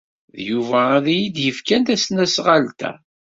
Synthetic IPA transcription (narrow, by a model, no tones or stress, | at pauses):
ðjuvæðijid̪jəfkænt̪æsnæsʁalt̪æ̰